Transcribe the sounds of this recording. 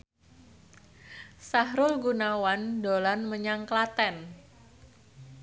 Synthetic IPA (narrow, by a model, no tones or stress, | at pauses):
saɦɾʊlɡunawandolanməɲaŋklat̪ɛn